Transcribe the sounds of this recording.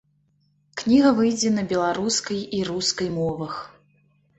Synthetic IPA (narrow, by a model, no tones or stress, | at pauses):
knʲiɣɐvɨjd͡zʲɛnɐbʲɛlˠaɾuskɐjiɾuskɐjmɔvɐx